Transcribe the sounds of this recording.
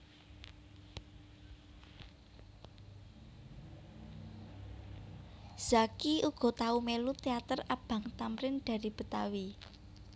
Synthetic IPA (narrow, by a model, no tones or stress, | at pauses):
z̥akiuɡ̥ɔ̤t̪aumelut̪eat̪ərab̥ä̤ŋt̪amɾɪnɖ̪̥a̤ɾib̥ə̤t̪awi